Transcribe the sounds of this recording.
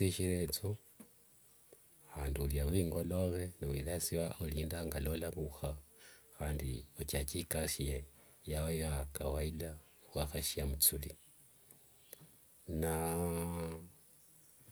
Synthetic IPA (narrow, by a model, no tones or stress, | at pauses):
iʃilet͡so | aːnduljaβwiːŋɡoloβeniwḭlasiwaʔoliːndaŋɡalolaβuxaxaːndḭot͡ʃat͡ʃikasijejawewakawailawaxaʃiamut͡suli | na